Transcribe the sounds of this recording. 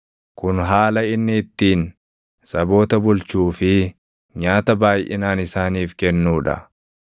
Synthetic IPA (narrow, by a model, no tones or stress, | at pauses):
kʊnɦaːlɐɪnːɪɪt̪ːiːn | sɐbo̞ːt̪ɐbʊlt͡ʃuːfɪ | ɲaːt̪ɐbaːjʔɪ̰naːnɪsaːniːfkɛnːuːᶑɐ̰